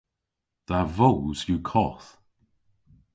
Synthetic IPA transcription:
ð̥avowz̥jukʰɔθ

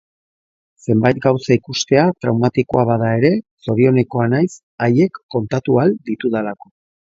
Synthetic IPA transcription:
se̞mbajt̪̚ɡawsaikust̪e̞at̪ɾawmat̪iko̞aβaðae̞ɾe̞so̞ɾio̞ne̞ko̞anajs | aje̞kːo̞nt̪at̪uald̪it̪uðalako̞

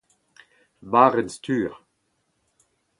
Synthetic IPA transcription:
baːʁɛnst̪ʰyːʁ

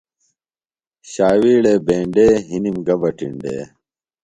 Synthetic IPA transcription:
ɕaːwiːɽeːbẽːɳɖeːɦinimɡɐbɐʈḭɳɖḛː

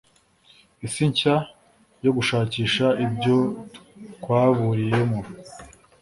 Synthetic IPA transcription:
isiɲca | jo̞ɡuʃaːciːʃaibɟo̞ | kwaːβuɾije̞mo

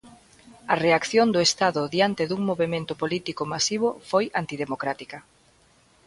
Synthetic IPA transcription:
ɐreakθjond̪oest̪aðʊðiant̪eðuŋmoβemẽnt̪ʊpolit̪ikomasiβʊfojant̪iðemokɾat̪ikɐ

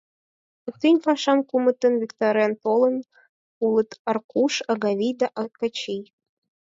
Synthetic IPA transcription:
ɤk̚t̪inʲfɑʃɑmkumə̆t̪ə̆nvʲikt̪oɾʲjɑnt̪olˠɤ̆n | ulˠɤ̆t̪ɑrkuʃɑɣɑβʲijd̪ɑʔɑt̪̚kɑt͡ɕij

